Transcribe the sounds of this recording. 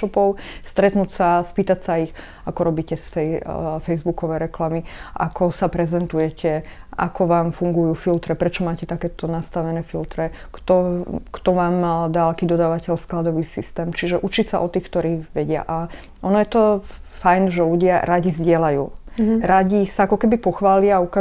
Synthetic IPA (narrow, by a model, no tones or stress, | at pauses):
ɔpɔʊst̪ɾɛt̪nuːcsaspiːt̪acsaix | akɔɾɔbiːcɛsfɛfɛjzbukɔʋɛɾɛklamiʔa̰kɔsapɾɛzɛnt̪ujɛcɛa̰kɔʋaːmfuŋɡujuːfilt̪ɾɛpɾɛt͡ʃɔmaːcɛt̪akɛːt̪ɔnast̪aʋɛnɛːfilt̪ɾɛkt̪ɔkt̪ɔʋaːmd̪aːlakiːd̪ɔd̪aːʋacɛʎsklad̪ɔʋiːsist̪ɛːmt͡ʃiʒɛʔut͡ʃicsaʔɔt̪iːxkt̪ɔɾiːʋɛɟɪa̰ʔa | ʔɔnɔjɛt̪ɔfajnʒɛluɟɪaɾaɟizɟɪɛlajṵːɾaɟisaakɔkɛbipɔxʋaːliaauka